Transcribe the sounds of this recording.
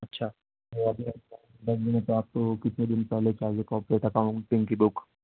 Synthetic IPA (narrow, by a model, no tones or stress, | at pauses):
ɐtːʃʰaː | oad̪iɐa | ɖɐɡmɪnet̪oaːp̚t̪okɪt̪ned̪ɪnpɛɦlet͡ʃad͡ʒekɔːpɾeːʈɐkaːʊ̃ɳʈt̪ɪ̃ŋkibʊk